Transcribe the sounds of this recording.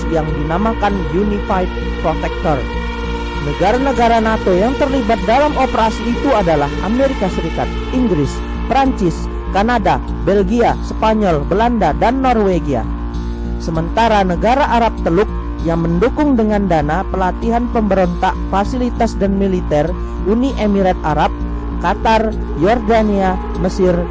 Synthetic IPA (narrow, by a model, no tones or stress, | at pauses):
jaŋdinamakanjunifajd̚ | pɾot̪ɛk̚t̪ɔr | nəɡaɾanəɡaɾanat̪ojaŋt̪ərlibat̪̚dalamopəɾasiːt̪uadalaɦameɾikasəɾikat̪̚ʔiŋɡɾɪs | pɾaɲt͡ʃɪs | kanada | bɛlɡiaspaɲɔlbəlandadanːɔrweɡia̰ | səmənt̪aɾanəɡaɾaʔaɾap̚t̪əlʊk̚ | jaŋməndukʊŋdəŋandanapəlat̪iɦanpəmbəɾont̪aʔ̚fasilit̪asdanmilit̪ɛr | ʔuniʔemiɾat̪̚aɾap̚ | kat̪ar | jɔrdania | məsɪr